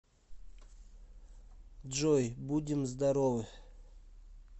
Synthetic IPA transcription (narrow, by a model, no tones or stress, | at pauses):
dd͡ʒojbudʲɪmzd̪aɾovɨ